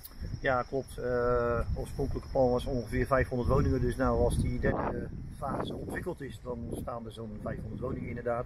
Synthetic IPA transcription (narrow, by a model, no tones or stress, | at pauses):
jaːklɔp̚təoːfsprõŋkələkə̥plɑnʋɔsɔnχəvɪːrvɛjfɦɔndətʋownɪŋədøsnawɑlˠsdidɛrdəfaːzəɔntʋɪkəlˠtɪsdɔnstaːndəzownvɛjfhondərtʋownɪŋəɪndərdaːt